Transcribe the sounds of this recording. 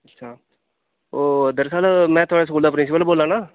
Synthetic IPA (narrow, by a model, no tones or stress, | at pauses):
ətːʃʰaː | oːd̪əɾsaːlmɛ̃ːt̪ʊaːɽaːs̬kuːld̪aːpɾɪns̬ɪpəlboːlãːnaː